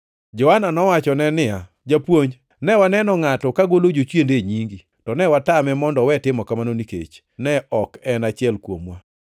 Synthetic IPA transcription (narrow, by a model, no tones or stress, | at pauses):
d͡ʒɔwananɔwat͡ʃɔnɛnɪja | d͡ʒapwoɲ | nɛwanɛnɔŋatɔkaɡolod͡ʒot͡ʃwendeɲiŋɡi | tɔnɛwatamɛmɔndɔwɛtɪmɔkamanonikḛt͡ʃ | nɛɔkɛnat͡ʃɪɛlkwo̰mwa